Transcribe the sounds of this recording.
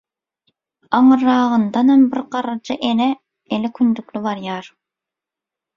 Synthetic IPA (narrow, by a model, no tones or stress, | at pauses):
ɑŋɯɾːɑːʁənd̪ɑnɑmbɪɾqʰɑɾɑd͡ʒɑʔenɛ | elɪkʲʰynd̪ykʲlybɑɾjɑɾ